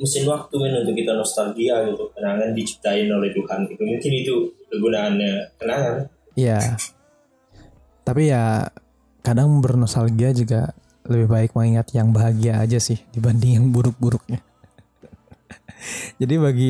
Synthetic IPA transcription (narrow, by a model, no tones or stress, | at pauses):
musɪnwak̚t̪umanunt̪ʊkːit̪anost̪alɡiaut̪ʊkːənaŋandit͡ʃi̥p̚t̪aɪnolɛhdukanit̪umuŋkɪnit̪ukəɡunaːnɲakənaŋan | ija | t̪apija | kadaŋbərnost̪alɡiad͡ʒuɡa | ləbɪhbaɪk̚maŋiŋat̪jaŋbaɦaɡia̰ːd͡ʒasɪhdibandɪŋjaŋbuɾʊk̚buɾʊk̚ɲa | d͡ʒadibaɡi